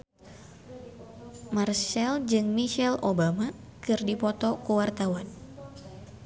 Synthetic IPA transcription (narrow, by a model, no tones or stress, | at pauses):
marʃɛld͡ʒɨŋmiʃɛlobamakɨrdipɔt̪ɔkuwart̪awan